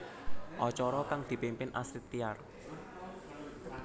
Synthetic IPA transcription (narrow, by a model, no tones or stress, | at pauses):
ʔɔt͡ʃɔɾɔkaŋd̪̥i̤pempɪnʔa̰sɾit̪ːiar